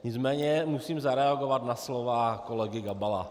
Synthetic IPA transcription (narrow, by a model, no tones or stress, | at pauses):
ɲɪt͡smɛːɲɛmusiːmzaɾɛaɡovat̪naslovakolɛɡɪɡabala